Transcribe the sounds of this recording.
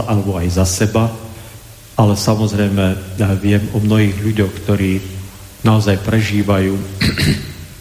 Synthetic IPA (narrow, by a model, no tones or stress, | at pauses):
ʔalɛbɔajzasɛba | alɛsamɔzɾɛjmɛʋɪɛmɔmnɔɦiːɣʎuɟɔʊkt̪ɔɾiː | naɔzajpɾɛʒiːʋajuː